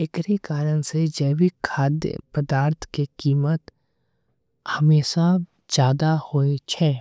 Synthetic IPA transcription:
ɪkɾekaːɾənsed͡ʒəːʋɪkkʰːaːd̪jə̰pəd̪aːɾt̪ʰkekiːmət̪ | hɐmeːʃa | d͡ʒjaːd̪ahoːet͡ʃʰɛː

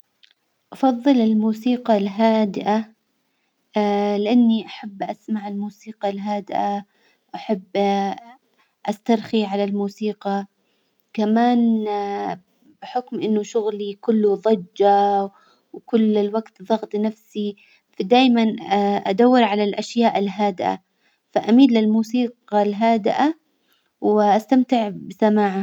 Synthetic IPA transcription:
ʔɑfɑðˤːɨlɪlmuːsiːqɑlɦaːd̪ɪʔa | lɪʔanːiʔaħabːʔasmaʕɪlmuːsiːqɑlɦaːd̪ɪʔa | ʔaħabː | ʔast̪ɑɾˤxiʕalalmuːsiːqɑ | kamaːn | bɪħʊkmʔɪnːʊʃʊɣlikʊlːʊðˤɑd͡ʒːa | wkʊlːɪlwaɡt̪ðˤɑɣt̪ˤnafsi | fad̪aːjmanʔad̪awːɪɾʕalalʔaʃjaːʔɪlɦaːd̪ɪʔa̰ | faʔamiːdlɪlmuːsiːqɑlɦaːd̪ɪʔa | wɪʔast̪amt̪ɪʕbɪsamaːʕa

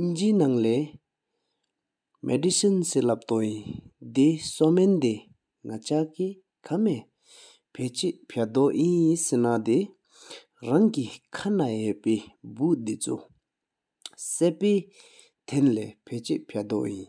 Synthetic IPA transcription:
ʔind͡ʑinaŋle | mʔɛ̰disənselap̚t̪oʔjind̪esomend̪e | ŋat͡ɕʰaki | kʰame | pʰet͡ɕeʔpʰed̪oʔjinisenad̪e | raŋkikʰanajeʔpeːbuʔd̪it͡sʰṵ | seʔpeː | t̪ʰenlepʰet͡ɕeʔpʰed̪ɔ̰ʔjin

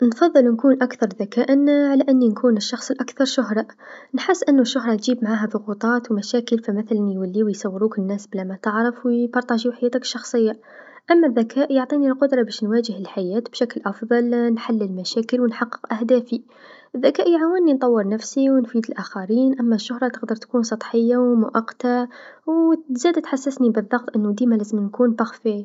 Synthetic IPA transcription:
nfɑðˤːɨlwnkuːnʔakθɑɾˤðakæːʔnʕalæʔɪnːinkʰuːnəʃːɑxsˤəlʔakθɑɾˤʃʊɦɾˤɑ | nħəsːʔənːuʃːʊɦɾˤɑt̪ʒiːbmʕaɦæðˤʊɣut̪ˤɑːt̪wmæʃæːkəlfiməθlænjwælːiwjsˤɑwːɾukənːæːsblæmæt̪əʕɾəfwbɑɾˤt̪ˤɑʒiwħajæːt̪akə̥ʃːɑxsˤəjːɑ | ʔæmːæðːækʰæːʔjoʕt̪ˤinilqʊd̪ɾˤɑbæʃnwæːʒəhəlħajæːt̪bʃæklʔɑfðˤɑlnħalːəlmæʃæːkəlwənħɑqːə̥qʔæhd̪æfi | ʔəðːækæːʔjʕawənːint̪ˤɑwːəɾˤnæfsiwnfiːd̪əlʔæxaɾiːnʔæmːæʃːʊhɾˤɑt̪əqd̪əɾˤt̪kuːnsˤɑt̪ˤħəjːawmʊʔɑqːt̪awzæːd̪at̪ħasːəsnibəðˤːɑɣt̪ˤʔənːud̪iːmalæzəmnkunbɑxfiʕ

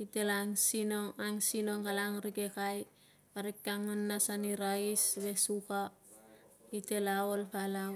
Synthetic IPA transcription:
ite̞laŋsinoŋaŋsinoŋkalaŋɾiɡekaj | paɾik̚ːaŋanːasaniɾaisβe̞suka | ite̞laolpala

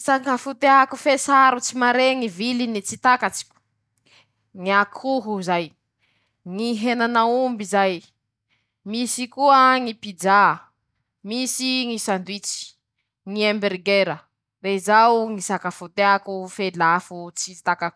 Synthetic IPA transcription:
sakafut̪eakufesaɾut͡simaɾeŋivilinit͡sit̪akat͡si̥kʲu̥ | ŋiakʰuɦuzaj | ŋiɦenanaumbizaj | misikuəŋipid͡ʒa | misiŋisand̪wit͡si̥ | ŋiembeɾɡeɾə | reizawŋisakafut̪eakufelafut͡sit̪akaku̥

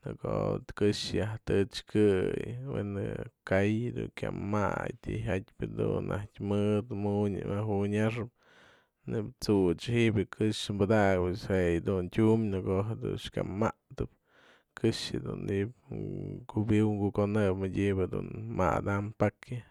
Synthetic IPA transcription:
nɨko̰t̪kɨʂjaht̪ɨt͡ʃkɨjwenɨ̰kajd̪uŋkʲja̰ma̰jt̪ḭɦatʲpʲɨd̪unːʔa̰hkʲmɨd̪muɲmaɦuɲaʂɨp̚ | nɨbt͡sut͡ʃhiʔbʲɨkʰɨʂmbad̪aɡɨt͡ʃhejd̪untʲumnɨkoɦed̪ṵʂkʲa̰maʔt̪ɨp̚ | kʰɨʂɨd̪uniʔb̚kubiwŋɡukonɨpmɨdʲibɨd̪ṵnma̰d̪ampakɨ

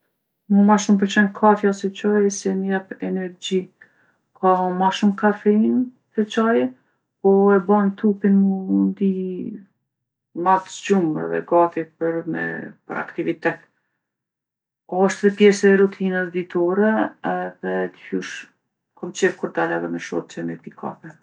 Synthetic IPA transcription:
mumaʃumpəɾt͡ʃɛnkʰafjasɛt͡ʃajɛsɛnjɛpɛnɛɾd͡ʑi | kʰamaʃumkafɛin | sɛt͡ʃajɛ | pɔɛbant̪upinmund̪i | mat̪d͡ʒumɾɛ̰ðɛ̰ɡafipəɾmɛ̰pəɾa̰kt̪ivit̪ɛt̪ | ɔɔʃt̪ðɛpjɛsɛːɾut̪ʰinɛðɛd̪it̪ʰɔɾɛɛðɛd̪ifuʃ | kʰɔmt͡ʃɛvkuɾd̪alaðɛmɛʃɔ̰t̪̚t͡ʃɛmɛɾd̪ikʰa̰fɛ

